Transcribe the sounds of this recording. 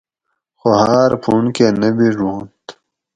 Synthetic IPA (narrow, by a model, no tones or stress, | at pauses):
xohaːɾpʰuɳkenɐbiʐuːnt̪